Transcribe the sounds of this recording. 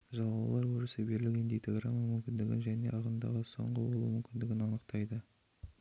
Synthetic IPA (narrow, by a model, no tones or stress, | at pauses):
ʒɑlˠɑlˠɑɾwɵɾɪsɪbeɾlɪkʲend̪ijt̪ʰeɡramːɑmʏmkʲɪnd̪ɪɡʲɪnʒæne̞ʔɑʁənd̪ɑ̰ʁəso̞̰ɴʁəwolˠṵmʏmkʲɪnd̪ɪɡʲɪnɑnəqt̪ɑjd̪ə